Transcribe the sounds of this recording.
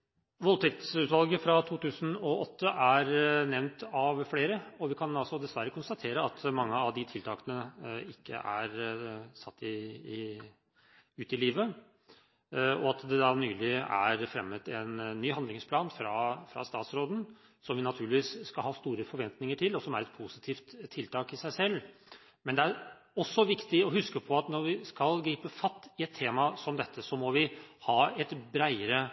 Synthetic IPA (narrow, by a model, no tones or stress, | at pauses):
ʋɔlt̪ʰɛk̚t̪sʉːt̪ʋɑlɡəfɾɑt̪ʰuːt̪ʰʉːsən̩ɔʔɔt̪ːəʔæɾnɛʋnt̪ɑʋfleːɾəɔʋɪkʰɑnɑlsɔd̪ɛsʋæɾːəkʰʊnst̪ɑt̪ʰeːɾəɑt̪mɑŋːəɑʋd̪ɪt̪ʰɪlt̪ʰɑːkənəɪkʰːə̰ʔæɾsɑt̪ːɪɪ | ʉːt̪ɪliːʋə | ɔɑt̪d̪ɛd̪ɑɾnyːlɪæ̰ɾfɾɛmːət̪ɛnːyːhɑnd̪lɪŋspʰlɑːnfɾɑfɾɑ̰st̪ɑːt̪sɾoːd̪n̩ | sɔmʋɪnɑt̪ʰʉːɭlɪʋiːssːkɑlɦɑːst̪uːɾəfɔɾʋɛnt̪nɪŋəʈʰɪlːɔsɔmæɾɛt̪̚pʰusɪt̪ʰiːft̪ʰːɪlt̪ʰɑːkɪsæɪsɛlː | mɛnd̪ɛæɾ | ɔsːɔʋɪkt̪ɪɔɦʉskəpʰɔɑt̪nɔɾʋɪskɑlɡɾiːpəfɑt̪ːɪɛt̪ʰːeːmɑsɔmd̪ɛt̪ʰːəsɔmɔʋɪhɑːɛt̪bɾæɪəɾə